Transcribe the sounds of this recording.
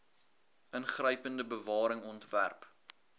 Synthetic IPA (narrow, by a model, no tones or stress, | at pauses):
ənχrəjpəndəbəvɑːɾəŋɔntvæ̰rp